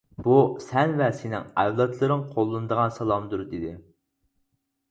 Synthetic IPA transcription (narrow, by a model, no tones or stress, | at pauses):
b̥usɛnvɛsɪnɪ̰ŋɛvlˠɑt̪lˠɨɾɨŋqʰolˠːɨnɨd̪əʁɑnsɑlˠɑmd̪uɾd̪ɪd̪ɪ